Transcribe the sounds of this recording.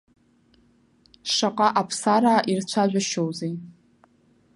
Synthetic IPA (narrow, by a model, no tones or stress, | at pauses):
ʂaqʼaʔapʰsaɾaːʔirt͡ɕʷʰaʒᶣʷaʃowze